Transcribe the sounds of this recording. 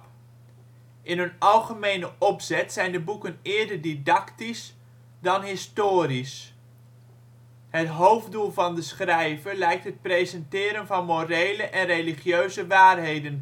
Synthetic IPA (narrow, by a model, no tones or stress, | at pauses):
ʔɪnɦɵnɑlˠχəmejnəʔɔpsɛtsɛjndəbukənɪːɹdəɹdidɑktis | dɑnɦɪstoːɾis | ɦətɦowvdulˠvɑndəsχrɛjvəɹlɛjk̚tɦət̚prejzɛntɪːɾənvɑnmorejləʔɛnreliχjøɥzəʋaːrɦejdən